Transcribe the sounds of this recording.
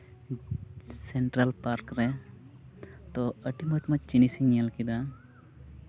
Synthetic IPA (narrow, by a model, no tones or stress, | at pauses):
sɛɳʈɾalpaɾkɾɛ | t̪ɔəʈimɔt̪mət͡ʃinisiɲalkid̪a